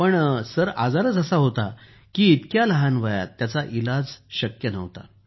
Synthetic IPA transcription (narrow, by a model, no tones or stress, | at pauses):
pəɳsəɾad͡zaɾəːt͡səsaɦot̪a | kiːt̪kjaləɦanʋəja̰t̪ːjat͡saʔilad͡zɕəkjənə̰ʋt̪a̰